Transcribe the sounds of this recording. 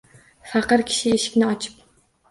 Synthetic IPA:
fæqəɾkʲʰi̥ʃieʃɪ̥kʲnɪɒt͡ʃʰɨ̥p̚

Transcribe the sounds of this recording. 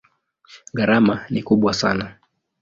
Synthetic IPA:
ɠaɾamanikuɓwasa̰na

